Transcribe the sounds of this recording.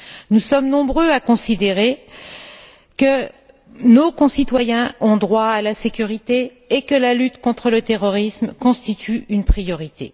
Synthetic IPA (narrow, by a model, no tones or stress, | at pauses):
nusɔmnɔ̃bʁøakɔ̃sid̪eʁe | kə | nokɔ̃sit̪wajɛ̃ɔ̃d̪ʁwaːlasekʲyʁit̪eː | kəlalyt̪kɔ̃t̪χələt̪eʁɔʁismkɔ̃st̪it̪ʰyynpχijɔʁit̪ḛ